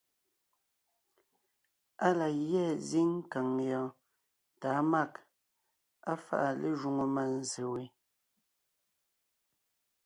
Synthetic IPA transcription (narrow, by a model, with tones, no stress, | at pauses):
a˦la˨jjɛ˦˨zi˦ŋ˦ka˨ŋjɔ˨ | ta˨˦ma˦˨k | a˦fa̰˦ʔa˨le˦˨ʒu˨ŋo˨ma˨n˦˨ze˨we˨˦